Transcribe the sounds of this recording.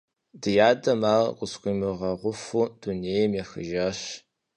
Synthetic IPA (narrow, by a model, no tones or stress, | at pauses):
dɨjaːdɐmaːqʷʊskʷiːmɨʁɐʁʷʊfud̥unejmeːxɨ̰ʒɐɕ